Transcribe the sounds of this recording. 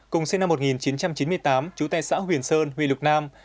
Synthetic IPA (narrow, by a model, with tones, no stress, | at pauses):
kʊ˨˩ŋ͡msi˧na˧mːo˨˩t̚ŋi˨˩nt͡ɕi˨˦nt͡ɕa˧mt͡ɕi˨˦nmɨ˧əjt̪aː˨˦mt͡ɕu˨˦t̪a̰ː˧˨jsa̰ː˧˥ɦwi˨˩ənsəː˧nɦwḭ˧˨lʊ˨˩k͡p̚naː˧m